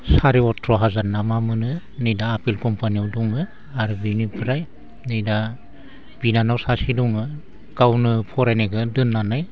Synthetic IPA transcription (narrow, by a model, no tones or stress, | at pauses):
saɾiɔtʰɾɔɦazaɾnamamɯnɯ | nejdaːpilkɔmpaniɔwdɔŋɯ | aɾbinipʰɾaj | nɯjda | binanawsasidɔŋɯ | ɡ̥awnɯpʰɔɾajneɡʰɯdɯnːanɯj